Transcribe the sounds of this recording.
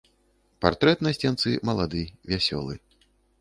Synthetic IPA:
part̪ɾɛt̪nɐsʲt͡sʲjant̪sɨmɐlˠad̪ɨvʲasʲɔ̰lˠɨ̰

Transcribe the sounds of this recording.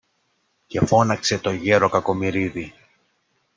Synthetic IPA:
ce̞fo̞nɐkse̞t̪o̞ʝe̞ɾo̞kɐko̞miɾiði

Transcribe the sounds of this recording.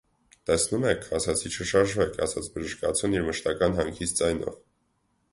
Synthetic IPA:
t̪ɛsnumɛkʰɑsɑt͡sʰit͡ʃʰəʃɑɾʒvɛkʰɑ̰sɑt͡sʰbəʒəʃkɑt͡sʰjuniɾməʃt̪ɑkɑnɦɑŋkʰit͡sd͡zɑjnɔ̰v

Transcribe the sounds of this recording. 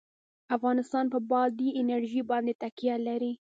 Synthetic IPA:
afɣɑnɪst̪ɑnpəbɑd̪iɪnaɾʒibɑnd̪et̪akijalaɾi

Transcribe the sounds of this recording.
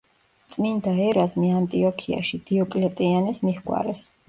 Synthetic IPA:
t̪sʼmind̪aɛɾazmiant̪ʼiɔkʰia̰ʃid̪̥iɔkʼlɛt̪ʼianɛsmihɡʼwa̰ɾɛs

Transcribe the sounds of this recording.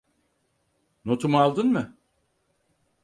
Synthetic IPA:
not̪umalˠd̪ɯnmɯ

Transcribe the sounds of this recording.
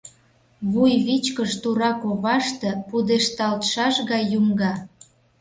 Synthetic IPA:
βujβit͡ɕkəʃt̪uɾɑkoβɑʃt̪ĕpud̪eʃt̪ɑlt̪ʃɑʃɣɑjːumɡɑ

